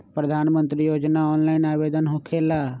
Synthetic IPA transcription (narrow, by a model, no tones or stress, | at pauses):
pɾəd̪ʱaːnmə̃nt̪ɾijoːd͡ʒnaɔːnlaːɪnaːʋeːd̪ənɦʊkʰelaː